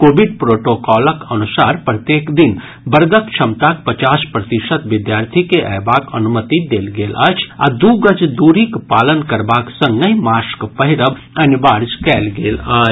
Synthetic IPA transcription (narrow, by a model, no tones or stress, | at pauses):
koːbiɖ̚pɾoːʈokɔːləkɐnusaːɾpɾət̪jeːkd̪in | bəɾɡ̪əkt͡ʃʰɐmt̪ak̚pət͡ʃaːspɾət̪iʃət̪ʋɪd̪jaːɾt̪ʰikeʔə̰ːbaːkənumət̪id̪eːlɡeːlʔaːt͡ʃʰa̰d̪uɡət͡ʃd̪uːɾikpaːlənkəɾbaːksə̃ŋɡəjmaːskpəɦɪɾəb | ɐnibaːɾd͡ʒkɛːlɡeːlaːt͡ʃ